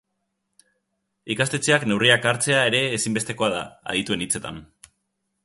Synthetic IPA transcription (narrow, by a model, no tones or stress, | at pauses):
ikast̪e̞t͡seakne̞wriakaɾt͡se̞ae̞ɾe̞ːsimbe̞st̪e̞ko̞að̞a̰a̰ðit̪ue̞nit͡se̞t̪a̰n